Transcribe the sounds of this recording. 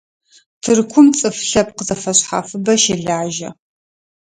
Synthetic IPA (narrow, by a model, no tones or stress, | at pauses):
tʰɨrkʷʰʊmt͡sʼɨfɬɐp̚qəzɐfɐɕħa̰fɨbɐʃɪɮaːʒɐ̰